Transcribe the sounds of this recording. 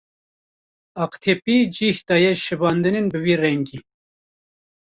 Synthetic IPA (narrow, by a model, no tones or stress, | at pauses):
ɑːqt̪ʰepiːd͡ʒiːhd̪ɑːjɛʃɨbɑːnd̪ɨnenbɨviːrɛŋɡiː